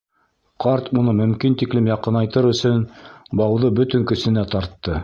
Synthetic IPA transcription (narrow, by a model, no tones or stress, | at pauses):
qɑɾt̪munɤmɵ̆mkint̪iklɘmjɑqɤ̆nɑjt̪ɤɾɵ̆sɵnbɑwðɤbɵt̪ɵ̆ŋkɵ̆sɘ̆næt̪ɑɾt̪ːɤ